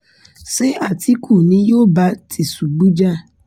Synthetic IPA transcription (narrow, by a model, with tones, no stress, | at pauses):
se˦a˦˨ti˦kʰu˦˨nĩ˨˦jo˦˨ba˧˦tʰi˨su˨ɡ͡bũ˨˦d͡ʒa˦˨